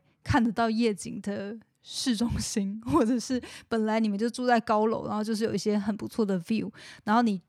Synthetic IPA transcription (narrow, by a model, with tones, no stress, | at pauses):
kʰa˥˩nd̪ə˩t̪ɑ˥˧ʊjɛ˥˩t͡ɕḭ˨˩ŋd̪ə˦ | ʂɻ̩˥˩ʈ͡ʂʊ˥ŋɕi˥nxwɔ˥˩ʈ͡ʂɤ˨˩ʂɻ̩˥˩pə˨˩nla˨˧ɪni˨˩mə˧˦nt͡ɕjo˥˧ʊt͡su˥˧t͡sa˥˩ɪkɑ˥ʊlo˧˥ʊɻa̰˧˥xjo˥˧ʊʂɻjo˨˩˨i˥˩ɕjɛ˥xə˨˩npu˧˥t͡sʰwɔ˥˩d̪ə˩vju˥˩ʊɻa˧˥nxo˥˩ni˨˩˦